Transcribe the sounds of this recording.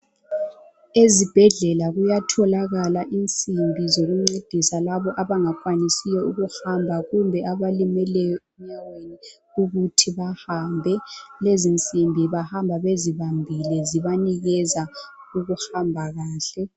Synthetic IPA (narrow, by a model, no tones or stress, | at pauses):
ezib̥ʱɛɮɛlaɣujatʰɔlaɣalaʔint͡sʼimbʱizoɣuŋ͡ǀid̥ʱisalaβɔʔaβaŋakʼwanisijɔuɣuhambʱaɣumbʱɛʔaβalimɛlɛjɔem̩ɲaweni | uɣutʰiβahambʱɛlezint͡sʼimbʱiβahambʱaβeziβambʱilɛziβaniɣɛza | uɣuhambʱaɣaːɬɛ